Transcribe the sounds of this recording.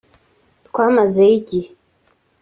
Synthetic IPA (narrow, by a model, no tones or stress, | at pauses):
kʷamazaɡʲi